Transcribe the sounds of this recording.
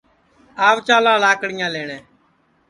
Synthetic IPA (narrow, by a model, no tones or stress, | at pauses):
aːʋt͡ʃaːlãːlaːkɽɪjãːleːɳẽː